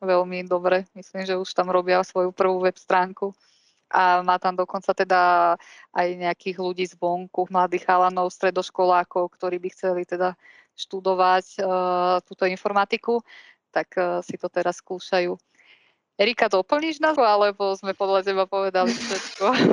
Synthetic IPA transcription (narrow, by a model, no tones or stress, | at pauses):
ʋɛlmid̪ɔbɾɛmisliːmʒɛuʃt̪amɾɔbɪasʋɔjupr̩ʋuːʋɛpst̪ɾaːŋku | ʔamaːt̪amd̪ɔkɔnt͡sat̪ɛd̪aʔajɲɛakiːɣluɟiːzʋɔŋkuɣmlad̪iːɣalanɔʊst̪ɾɛd̪ɔʃkɔlaːkɔʊkt̪ɔɾiːbixt͡sɛlit̪ɛd̪a | ʃt̪ud̪ɔʋac | t̪uːt̪ɔinfɔɾmat̪iku | t̪akːsit̪ɔt̪ɛɾasːkuːʃajuː | ɛɾikad̪ɔpl̩ɲiʒnaualɛbɔzmɛpɔd̪ʎacɛbapɔʋɛd̪alifʃɛt̪kɔ